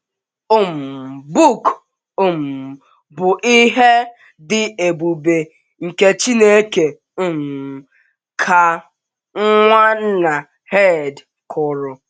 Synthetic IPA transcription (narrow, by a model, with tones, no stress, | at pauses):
ʊ˦m̩˨bu˦˨k | ʊ˦m̩˨ | bʊ˨ʔi˦ɦe˦ | dɪ˦e˨bu˨be˨ | ŋ̩˨ke˦t͡ʃi˦ne˦ke˨ | ʊ˦m̩˨ | kʰa˨ | ŋ̩˦ŋʷa˦n̩˦na˨ | he˦˨d | kʰʊ˨ɾʊ˨